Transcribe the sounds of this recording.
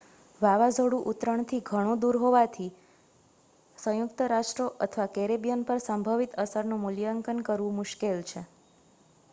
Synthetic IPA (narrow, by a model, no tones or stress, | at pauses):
ʋaʋad͡ʒəɽũʔut̪ɾəɳt̪ʰiɡʱəɽ̃õd̪uɾɦoʋat̪ʰi | sə̃jʊkt̪əɾaʂʈɾoʔət̪ʰəʋakeɾebjənpəɾsəmbʱəʋit̪əsəɾnumuljəŋkənkəɾʋũmʊʃkelt͡ʃʰe